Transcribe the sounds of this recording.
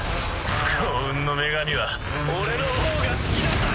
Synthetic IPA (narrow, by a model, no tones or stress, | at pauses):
kʰoɯ̟̃nːo̞me̞ɡaɲʲiβa | oɾeɾɯooɡasɨ̥kʲiɾa